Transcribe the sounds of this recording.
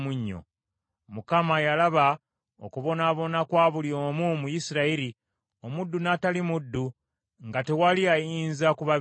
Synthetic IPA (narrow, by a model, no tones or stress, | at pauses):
muɲːo̰ | mukamajalaβa | o̰kuβo̞naːβo̞nakwaːβuljo̞ːmumujisiɾaiɾi | o̞mudːunatalimudːu | ŋɡate̞waliajiːnzakuβa